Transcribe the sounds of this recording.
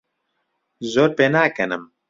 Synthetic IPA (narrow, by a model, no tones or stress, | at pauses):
zoːɾpeːnaːkɐnɨm